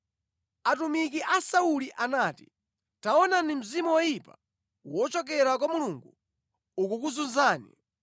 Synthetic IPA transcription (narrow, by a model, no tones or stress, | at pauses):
atumik̬iʔasauliʔanaːti̥̰ | taɔnanim̩zimuwɔjipa | wɔt͡ʃɔk̬ɛɾakwamuluŋɡu | ukukuzunzaːnḭ